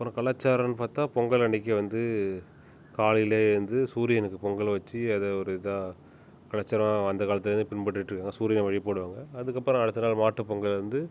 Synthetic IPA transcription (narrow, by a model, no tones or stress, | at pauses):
ɐɐpːɯɾõkɐɭaːt͡ʃːaːɾɐ̃nɯpaːɾt̪ãːpɔŋɡɐɭɐɳɪk̬ːɐʋɐnd̪ɯ | kaːɭɪjleːɪɾɯnd̪ɯsuːɾɪjɐnɯkːɯpɔŋɡɐɭʋɐt͡ʃːiɐðɛɔɾɯɪðaː | kɐɭaːt͡ʃːaːɾɐmaɐnd̪ɐkaːlɐt̪ɪlɛɾɯnd̪ɯpɪɳpɐʈːɪʈːrɾɯkːaːŋɡɐsuːɾɪjɐnʋɐɻipoːɽɯʋaːŋɡɐɐðɯkːɐpːɾõɐɽɯt̪ːɯnaːlmaːʈːɯpɔŋɡɐɭɪɾɯnd̪ɯ